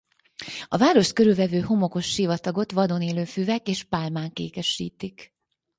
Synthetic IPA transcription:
ɒvaːɾo̞ʃt̪̚køɾylvɛvøːɦo̞mo̞ko̞ʃːivɒt̪ɒɡo̞t̪ʋɒd̪oneːløːfyːvɛkeːʃpalmaːŋkḛːkɛʃḭːt̪ik

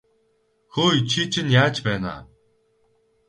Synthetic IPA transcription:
xoːjt͡ɕʰit͡ɕʰinjaːt͡ɕpæːna̰ː

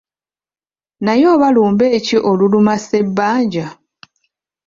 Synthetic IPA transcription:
najo̞ːβaluːmbe̞ːciʔo̞lulumase̞bːaːɲɟa

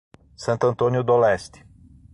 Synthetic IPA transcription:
sɐ̃nt̪ɐ̃nt̪õnjʊd̪olɛst̪ɪ̥

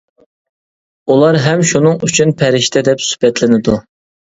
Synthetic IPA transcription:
ulˠɑɾɦɛmʃunɨŋyt͡ʃʰynpʰɛɾɪʃt̪ʰɛd̪ɛpsy̥hbɛt̪lɪnɪd̪u

